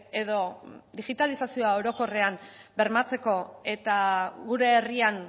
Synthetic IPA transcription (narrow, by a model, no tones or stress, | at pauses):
e̞ðo̞d̪iɣit̪alisasioao̞ɾo̞ko̞re̞ambe̞ɾmat͡se̞ko̞e̞t̪aɣuɾe̞ːrian